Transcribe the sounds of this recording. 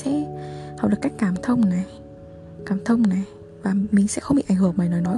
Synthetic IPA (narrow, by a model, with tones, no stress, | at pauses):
sɛ̰˧˥ha˨˩k͡pɗɨ˨˩əkːjk̟̚kaː˧˩mt̪ʰə˧wŋ͡mna˨˩j | kaː˧˩mt̪ʰə˧wŋ͡mna˨˩j | vaː˨˩mï˨˩ŋ̟sɛ̰˧˥xə˧wŋ͡mɓḭ˧˨ʔa˧˩jŋ̟hɨ˧˩əŋmaː˨˩jnɔ˨˩jnɔ˨˦